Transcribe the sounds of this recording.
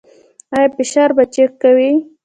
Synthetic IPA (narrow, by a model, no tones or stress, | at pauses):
ajapɪʃaɾbat͡ʃekkːawi